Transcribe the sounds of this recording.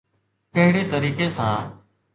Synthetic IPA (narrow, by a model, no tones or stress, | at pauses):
kəɦɪɽeːt̪əɾiːkeːsãː